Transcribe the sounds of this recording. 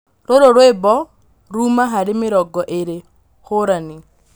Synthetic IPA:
ɾoɾoɾwebɔ | ɾumaɦaɾemɪɾɔɡɔʔeɾe | hoɾani

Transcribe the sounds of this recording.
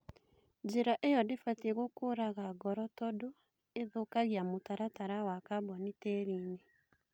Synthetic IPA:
d͡ʒeɾaʔejɔdefateɣokoːɾaɣaɡɔɾɔtɔdo | eðokaɣiamotaɾataɾawakabɔnitɛːɾiːne

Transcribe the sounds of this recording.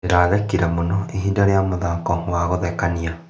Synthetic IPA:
eɾaːɣɛkiɾɛmonɔeɦiːndaɾeamoðakɔwaɣoðɛkania

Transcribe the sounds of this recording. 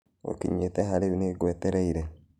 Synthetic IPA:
o̰kḭɲetɛɦaɾeβineɡwɛtɛɾɛiɾɛ

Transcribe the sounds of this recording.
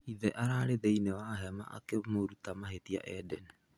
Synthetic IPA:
iðɛʔaɾaɾeðejnewaɦeama̰ʔa̰kemoɾutamaɦetia̰ʔɛdɛn

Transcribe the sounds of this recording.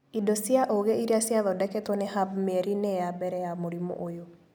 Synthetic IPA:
idosiaʔoɣeiɾeasjaðɔdɛkɛtwɔneɦabmeɾinejabɛɾɛjamoɾimɔ̰ʔojo

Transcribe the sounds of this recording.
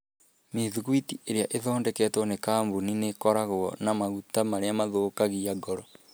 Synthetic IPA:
meðuɣwitiʔeɾeaʔeðɔːndɛkɛtwɔnekambuninekɔɾaɣoɣɔ̰namaɣutamaɾeamaðoːkaɣiaɡɔɾɔ

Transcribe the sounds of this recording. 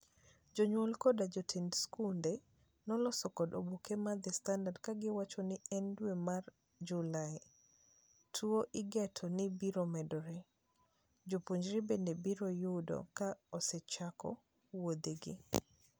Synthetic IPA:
d͡ʒoɲwɔlkɔdad͡ʒotʰindskunde | nɔlɔsɔkɔdo̰bukemad̪ɪstandadkaɡɪwat͡ʃɔnɪɛndwemar | d͡ʒulaj | tʰuoʔɪɡɛtʰɔnɪbiɾomɛdɔɾe | d͡ʒopuɲd͡ʒɾibendebiɾojudo̰kaɔsɛt͡ʃakɔ̰ | wod̪iɡɪ̰

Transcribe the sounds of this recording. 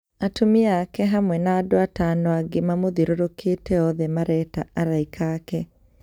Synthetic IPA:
atomiakɛɦamwɛnaːdoataːnoaɡemamoðiɾoɾokeːtɛɔðɛmaɾɛtaaɾaikʰaːkɛ

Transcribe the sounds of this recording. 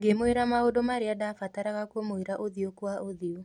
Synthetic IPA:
ɡemoeɾamaodomaɾeadafataɾaɣakomoeɾaʔoðiokwaʔoðio

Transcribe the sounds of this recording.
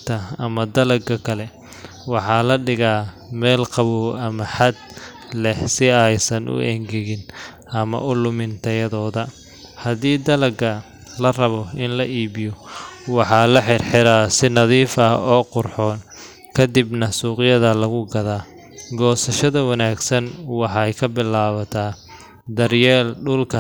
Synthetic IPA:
t̪ʰɐɐmɐd̪ɐlɐɡɐkʰɐlɛ | wɑħɑːlɐɖɪɣaːmɛːlqɑβuːɐmɐħad̪̚ | lɛhsɪɛjsɐnʔʊ̰ʔɛŋɡɛɣɪn | ʔɐmɐ̰ʔʊlʊmɪnt̪ʰɐjɐðɔːðɐ | hɐðiːd̪ɐlɐɡɐ | lɐrɐβɔɪnlɐʔiːβɪjɔwɑħɑːlɐħɪrħɪɾaːsɪnɐðiːfɐɔːqʊrħɔːn | kʰɐd̪ibnɐsuːqɪjɐðɐlɐɣʊɡɐðaː | ɡɔːsɐʃɐðɐwɑnaːɡsɐnwɑħɑjkʰɐbɪlaːβɐt̪ʰaː | d̪ɐrjɛːlɖʊlkʰɐ

